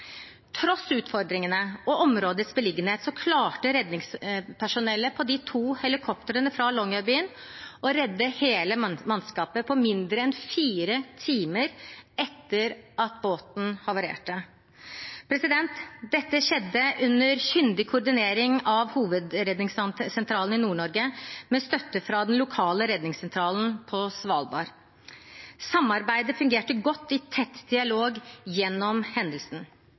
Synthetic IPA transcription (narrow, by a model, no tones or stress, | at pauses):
t̪ʰɾɔsːʉːt̪fɔɾd̪ɾɪŋənəɔʔɔmɾoːd̪ət̪sbəlɪɡənheːt̪sɔkʰlɑːʈəɾɛd̪nɪŋspʰæʂʊnɛlːəpʰɔd̪ɪt̪ʰuːhɛlɪkʰɔpt̪əɾənəfɾɑlɔŋɑbiːən | ɔɾɛd̪ːəheːləmɑnskɑːpəpʰɔmɪnd̪ɾəɛnfiːɾət̪ʰiːməɾɛt̪ːəɾʔɑt̪boːt̪n̩hɑɾʋɑɾḛːʈə | pʰɾɛsɪd̪ɛnt̪d̪ɛt̪ːəɕɛd̪ːəʔʉnːəɾçʏnd̪ɪkʰʊːɖɪneːɾɪŋɑʋhuːʋəd̪ɾɛd̪nɪŋssɛnt̪ʰɾɑːlən̩ɪnuːɳɔɾɡəmɛst̪œt̪ːəfɾɑd̪ɛnlʊkʰɑːləɾɛd̪nɪŋsɛnt̪ʰɾɑːln̩pʰɔsʋɑːlbɑ̰ːɾ | sɑmːɑɾbæɪd̪əfʉŋɡeːʈəɡɔt̪ːɪt̪ʰɛt̪ːd̪ɪɑloːɡjɛnːɔmhɛnd̪əlsn̩